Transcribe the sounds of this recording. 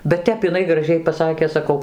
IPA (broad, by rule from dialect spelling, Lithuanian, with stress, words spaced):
bʲɛt ˈtʲɛp ɪˈnɐɪ ɡrɐˈʒʲɛɪ pɐˈsɑːkʲeː sɐˈkɐʊ